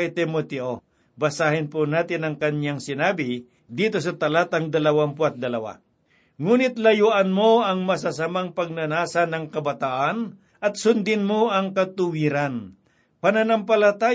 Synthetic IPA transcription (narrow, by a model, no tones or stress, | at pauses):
t̪ɪmot̪ɛʔo | bɐsaːhɪnponaːt̪ɪnɐŋkɐnjaŋsɪnaːbɪ | d̪iːt̪o̞sɐt̪ɐlat̪ɐŋd̪ɐlɐwampoʔɐt̪̚d̪ɐlɐwa̰ | ŋuːnɪt̪lɐjuʔɐnmoɐŋmɐsasamaŋpɐɡ̚nɐnaːsɐnɐŋkɐbɐt̪aʔan | ʔɐt̪̚sʊnd̪ɪnmoɐŋkɐt̪ʊwiɾan | pɐnanɐmpɐlɐt̪aː